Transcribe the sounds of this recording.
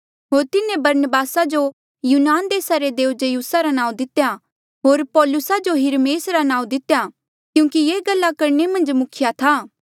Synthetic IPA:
ɦoːɾt̪ɪnẽbɐɾnəbaːsad͡ʒo | juːnaːnd̪eːsaɾed̪eːʊd͡ʒejuːsaɾanãːũd̪ɪt̪eja | ɦoːɾpɔːlʊsad͡ʒoɦɪɾmeːsɾanãːũd̪ɪt̪ja | kjũːkijeːɡɐlːakɐɾnemɐ̃nd͡ʒmʊkʰɪjat̪ʰaː

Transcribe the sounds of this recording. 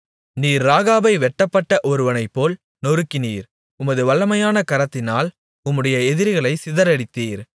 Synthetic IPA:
niːɾːaːɣaːbɐɪʋɛʈːɐpːɐʈːɐʔɔɾɯʋɐnɐɪpːoːl | nɔɾɯkːɪniːɾ | ʊmɐðɯʋɐɭːɐmɐjaːnɐkɐɾɐt̪ːɪnaːl | ʊmːɯɽɐjɐɛðɪɾɣɐɭɐɪsɪðɐɾɐɽɪt̪ːiːɾ

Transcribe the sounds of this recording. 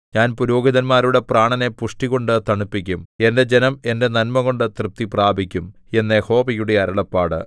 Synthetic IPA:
ɲaːnpuɾo̞ːɡiðɐnmaːɾuɽe̞praːɳɐne̞puʂʈiɣo̞ɳɖɨt̪ɐɳupːikʲːume̞nde̞d͡ʑe̞nɐme̞nde̞nɐnmɐɣo̞ɳɖɨt̪rɨp̚t̪ːipraːbʱikʲːume̞nːeho̞ːbijuɽeɐɾɐɭɐpːaːɽɨ̰

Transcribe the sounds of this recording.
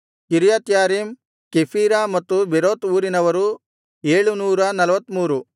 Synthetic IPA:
kiɾijat̪jaːɾiːm | kepʰiːɾaːmɐt̪ːubeɾoːt̪uːɾinɐʋɐɾu | eːɭunuːɾɐnɐlʋɐt̪ːmuːɾu

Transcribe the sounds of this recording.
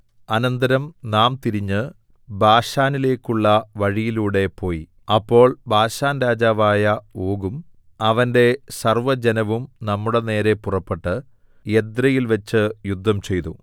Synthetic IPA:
ɐnɐnd̪ɐɾɐmnaːmt̪iɾiɲːɨ | bʱaːʂaːnile̞ːkːuɭːɐʋɐɻijiluːɽe̞po̞ːji | ɐpːo̞ːɭbʱaːʂaːnɾaːd͡ʑaːʋaːjɐoːɡum | ɐʋɐnde̞sɐrʋɐd͡ʑenɐʋumnɐmːuɽe̞ne̞ːɾe̞purɐpːe̞ʈːɨ | ed̪rɐjilʋɐt͡ɕːɨjud̪ʱːɐmt͡ɕe̞jt̪u

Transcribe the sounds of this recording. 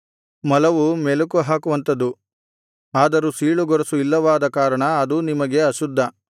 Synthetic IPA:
mɐlɐʋumelukuɦaːkuʋɐnt̪ɐd̪u | aːd̪ɐɾusiːɭuɡɔɾɐsuilːɐʋaːd̪ɐkaːɾɐɳɐɐd̪unimɐɡe̞ɐʃud̪ʱːɐ

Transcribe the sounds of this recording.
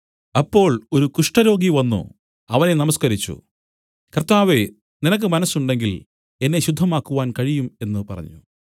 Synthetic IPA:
ɐpːo̞ːɭo̞ɾukuʂʈɐɾo̞ːɡiʋɐnːṵ | ɐʋɐne̞nɐmɐskɐɾit͡ɕːṵ | kɐrt̪aːʋe | ninɐk̬ːɨmɐnɐsuɳɖe̞ŋɡil | e̞nːeɕud̪ʱːɐmaːkːuʋaːnkɐɻijume̞nːɨpɐrɐ̰ɲːṵ

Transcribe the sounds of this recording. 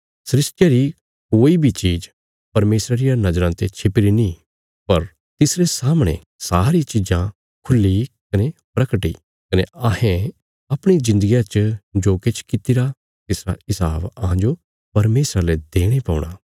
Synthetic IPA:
sɾɪsʈjaɾi | koːibʱit͡ʃiːd͡ʒ | pɐɾmeːsɾaɾɪjanɐd͡ʒɾãt̪et͡ʃʰɪpɪɾinĩ | pɐɾ | t̪ɪsɾesaːmɽ̃ḛ̃ | saːɾit͡ʃɪd͡ʒã | kʰʊlːikɐnepɾɐkʈḭ | kɐneɐhẽ | ɐpɽ̃id͡ʒɪ̃nd̪əɡijãt͡ʃd͡ʒoːket͡ʃʰkɪt̪iɾa | t̪ɪsɾa̰ɪsaːbɐɦãd͡ʒo | pɐɾmeːsɾaled̪eːɽ̃epɔ̰ːʊɽ̃aː

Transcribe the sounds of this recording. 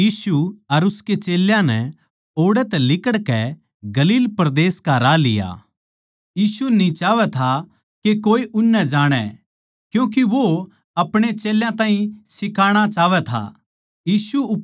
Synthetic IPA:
jiːsuɐɾʊsket͡ʃeːljãnɛ̰ | oːɽɛt̪ɛlɪkəɽkɛ | ɡɐliːlpɾɐd̪eːskaɾalɪja̰ː | jiːsunĩt͡ʃaːʋɛt̪ʰa | kekoːeʔʊnːɛd͡ʒaːɽ̃ɛ̰ | kjũːk̬iʋo | ɐpɽ̃et͡ʃeːljãt̪aːɦĩsɪkaːɽ̃at͡ʃaːʋɛt̪ʰa̰ | jiːsuʊ

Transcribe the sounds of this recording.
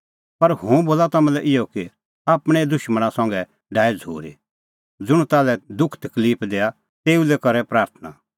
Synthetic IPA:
pɐɾhũboːlat̪ɐmãlɛʔɪjɔki | aːpɽ̃ɛd̪ʊʃməɽ̃ãsɔ̃ŋɡɛ | ɖaːid͡zʱṵːɾḭ | d͡zʊɽ̃ut̪aːlɛd̪ʊkʰt̪ɐkliːpʰd̪eːa | t̪eːulɛkɐɾɛpɾaːɾt̪ʰna

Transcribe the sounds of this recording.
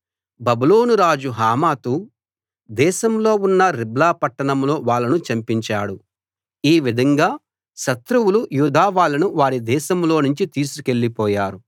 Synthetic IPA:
bɐbuloːnuɾaːd͡ʒuɦaːmaːt̪u | d̪ɛːʃɐmlo̞ːunːɐɾiblaːpɐʈːɐɳɐmlo̞ːʋaːlːɐnut͡ʃɐmpiɲt͡ʃaːɽu | iːʋid̪ʱɐŋɡaː | ʃɐt̪ɾuwulujuːd̪ʱaːʋaːɭːɐnuʋaːɾid̪ɛːʃɐmlo̞ːnuɲt͡ʃit̪iːs̬uke̞ɭːipɔːjaːɾu

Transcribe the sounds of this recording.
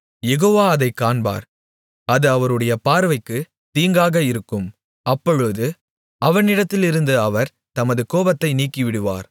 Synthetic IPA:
jɛɣoːʋaːɐðɐɪkːaːɳba̰ːɾ | ɐðɯɐʋɐɾɯɽɐjɐpaːɾʋɐɪkːɯ | t̪iːŋɡaːɣɐɪɾɯkːɯm | ɐpːɔɻɯðɯ | ʔɐʋɐɳɪɽɐt̪ːɪlɪɾɯnd̪ɯɐʋɐɾ | t̪ɐmɐðɯkoːbɐt̪ːɐɪniːkːɪʋɪɽɯʋa̰ːɾ

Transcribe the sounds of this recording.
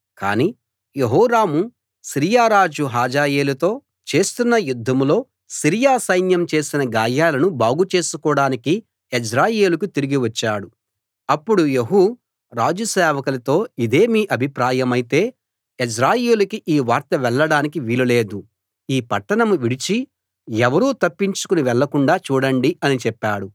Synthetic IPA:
ka̰ːniː | jeɦɔːɾaːmu | sɾijaːɾaːd͡ʒuɦaːd͡ʒaːje̞ːlut̪o̞ː | t͡ʃe̞ːst̪unːɐjud̪ʱːɐmlo̞ː | siɾijaːsɐjnjɐmt͡ʃe̞ːsinɐɡaːjaːlɐnubaːɡut͡ʃe̞ːsukɔːɽaːniki | ed͡ʒɾaːje̞ːlukut̪iɾiɡiʋɐt͡ʃːaːɽu | ɐpːuɽujeɦu | ɾaːd͡ʒusɛːʋɐkɐlɐt̪o̞ːid̪e̞ːmiːʔɐbʱipɾaːjɐmɐjit̪e̞ː | esɾaːje̞ːlukiʔiːʋaːɾt̪ɐʋɛɭːɐɽaːnikiʋilɐle̞ːd̪u | iːpɐʈːɐɳɐmuʋiɽit͡ʃi | ɛʋɐɾuːt̪ɐpːiɲt͡ʃu̥kuniʋɛɭːɐkuɳɖaːt͡ʃuːɽɐɳɖiɐnit͡ʃɛpːaːɽu

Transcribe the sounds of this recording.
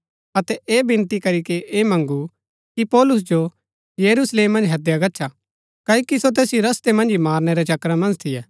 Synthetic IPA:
ɐt̪ɛʔeːbɪ̃nt̪ikɐɾikeʔeːmɐ̃ŋɡu | kipɔːlʊs̬d͡ʒo | jɐɾusleːmːɐ̃nd͡ʒɦɐd̪jaɡɐtːʃʰa | kɐːoːkisot̪̬eːsjiɾɐst̪emɐ̃nd͡ʒimaːɾnɛɾɛt͡ʃɐkɾamɐ̃nd͡ʒt̪ʰɪjɛː

